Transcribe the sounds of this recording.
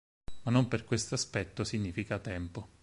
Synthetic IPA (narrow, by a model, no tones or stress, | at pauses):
manːomperkwest̪oaspɛt̪ːosiɲːiːfikat̪ɛmpo